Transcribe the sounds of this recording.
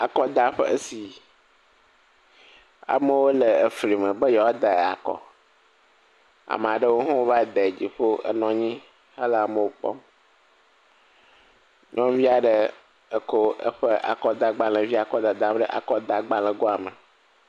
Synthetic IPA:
a˨kɔ˦d̪a˦ɸḛ˦e˦si˨ | a̰˨mə˦wo˦le˨e˨fɾi˨mə̃˨bə˦jɔ˨wɔ˦d̪e˨a̰˨kɔ̰˨ | a̰˨m˨a˨ɖə˦wo˦ɦɔ̃˦wo˦va˦d̪e˨d͡ʑi˨ɸo˦ə̰˦nɔ̃˦ɲĩ˦ | hə˦lə˦˨a˨mə˦˨wo˦k͡pɔ̰˦m | nɔ̃˦vi˦a˨ɖə˦ | ə˨ko˦ə̰˦ɸe˦a̰˨kɔ˦d̪a˨ɡ͡ba˦˨lɛ̃˨vi˦a˨kɔ˦d̪a˨d̪a˦m˦ɖə˦ʔa̰˨kɔ˦d̪a˨ɡ͡ba˦lɛ̃˨ɡo˦a˨mə˨

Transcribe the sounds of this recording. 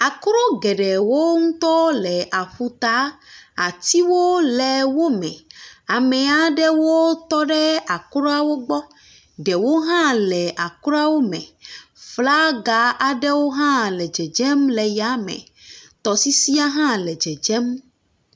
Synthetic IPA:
a˨kɾɔ˦ɡɛ˨ɖɛ˨wo˦ŋũ˦t̪ɔ˦lɛ˨ʔa˨ɸu˨t̪a˦a˨t̪i˦wo˦lɛ˨wo˦mɛ̰̃˨a˨mɛ̃˨a˨ɖɛ˦wo˦t̪ɔ˦ɖɛ˦a˨kɾɔ˦a˦wo˦ɡ͡bɔ˦ | ɖɛ˨wo˦ɦã˦lɛ˨ʔa˨kɾɔ˦a˦wo˦mɛ̰̃˨ | fla˦ɡa˨ʔa˨ɖɛ˦wo˦ɦã˦lɛ˨d͡ʒɛ˨d͡ʒɛ˦mlɛ˨ja˦mɛ̰̃˨ | t̪ɔ˨si˦si˦a˦ɦã˦lɛ˨d͡ʒɛ˨d͡ʒɛ˦m

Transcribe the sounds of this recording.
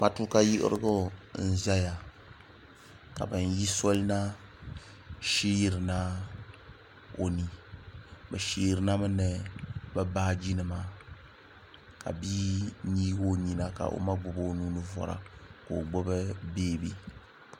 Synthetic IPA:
ma˨tu˦ka˦ji˦ʔɪ̰˦ɾɨ̰˦ɡo˦n̩˦za˦ja˨ | ka̰˨bɨ˨n˦ji˦so˦lna˦ | ʃi˦jɾɨ˨na˦ | o˨ni˨ | bɨ˨ʃi˦˨ɾɨ˨na˦mɨ˦nɨ˨bɛ˦baː˦d͡ʒi˦nɨ˨ma˦ | ka̰˨biː˦ɲiː˦ɡo˦ɲi˨na˨ka̰˨ʔo̰˨˦ma˦ɡ͡bʊ˨bo˦nuː˦nɨ˦vɔ̰˨ɾa̰˨ko˨ɡ͡bʊ˦bɨ˦beː˦bi˦

